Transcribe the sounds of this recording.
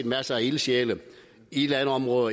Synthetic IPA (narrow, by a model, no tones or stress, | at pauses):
d̥mæsəæilɕeːlə | ied̥lænəɒ̽mʁɔ̽ːð̩ˠɐ